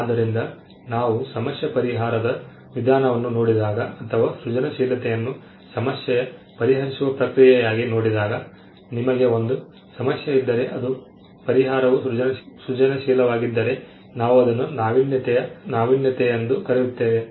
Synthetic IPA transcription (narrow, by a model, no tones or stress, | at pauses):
aːd̪ːɐɾind̪ɐ | naːʋusɐmɐsjɐpɐɾiɦaːɾɐd̪ɐ | ʋid̪ʱaːnɐʋɐnːunoːɽid̪aːɡɐɐt̪ʰɐʋaːsɾud͡ʒɐnɐʃiːlɐt̪ɛjɐnːu | sɐmɐsjɐjɐ | pɐɾiɦɐɾisuʋɐpɾɐkɾijɛjaːɡino̞ːɽid̪aːɡɐ | nimɐɡe̞o̞nd̪u | sɐmɐsjɐid̪ːɐɾe̞ʔɐd̪u | pɐɾiɦaːɾɐʋuud͡ʒɐnɐsut͡ʃɐnɐʃiːlɐʋaːɡid̪ːɐɾe̞ | naːʋuɐd̪ɐnːunaːʋinjɐt̪ɛjɐnaːʋinjɐt̪ɛjɐnd̪ukɐɾijut̪ːeːʋe